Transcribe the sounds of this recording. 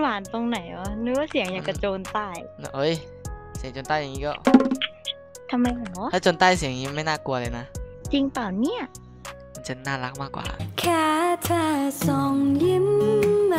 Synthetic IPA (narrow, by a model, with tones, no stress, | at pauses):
waː˨˩nt̪o˧ŋna˨˩˦jʔɔ˨˧˦nɯː˧˦wa˥˧˩si˨˩˦ŋjaː˨˩ka˧˩t͡ɕoː˧nt̪aː˥˩j | ʔo˦˥˩j | si˨˩˦ŋt͡ɕoː˧nt̪aː˥˩ja˨˩ŋːiː˦kɔː˥˩ | t̪ʰa˧mːa˧ja˨˩ŋlɔ˨˦ʔ̪tʰaː˥˩t͡ɕoː˧nt̪aː˥˩jsi˨˩˦ŋiː˦˧ma˥˩jnaː˥˩ku˧ɐlɤː˧na˦˥t͡ɕi˧ŋpaː˨˩wni˥˩ɐ | ma˧nt͡ɕa˧˩nːaː˥˩la˦˥k̚maː˥˩kwa̰ː˨˩kʰaː˧˩t̪ʰaː˧˩sɔː˨˧˩ŋli˧˥m˧